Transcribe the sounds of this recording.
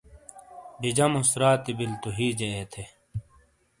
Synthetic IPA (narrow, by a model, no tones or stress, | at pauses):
ɖid͡ʑɐmusɾaːt̪ibilt̪uɦiːd͡ʑeet̪ʰe